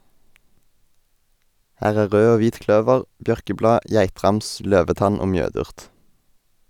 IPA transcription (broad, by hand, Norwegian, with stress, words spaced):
ˈhæːʁ ˈæː ˈʁøː ˈoː ˈʋiːt ˈklœʋəʁ ˈbjœʁkəˌblɑː ˈjæɪtʁɑms ˈløːʋəˌtɑn ˈoː ˈmjøːdʉʁt